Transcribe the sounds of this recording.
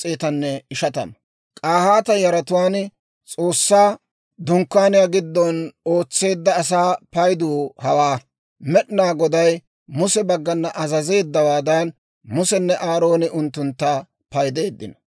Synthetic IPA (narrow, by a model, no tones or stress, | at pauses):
t͡sʼeːt̪ɐnːɛɪʃɐt̪ɐ̰n | kʼaːhaːt̪ɐjɐɾɐt̪ʊwaːn | t͡sʼo̞ːsːaː | d̪ʊŋkːaːnɪjaːɡɪd̪ːɔno̞ːt͡sːe̞ːd̪ːɐːs̬aːpɐjd̪uːhɐwaː | mɛɗɪnaːɡɔd̪ɐj | mʊsɛbɐɡːɐnːɐʔɐzɐze̞ːd̪ːɐwaːd̪ɐn | mʊsɛnːɛʔaːɾo̞ːnɪʔʊnt̪ːʊnt̪ːɐ | pɐjd̪e̞ːd̪ːɪnɐ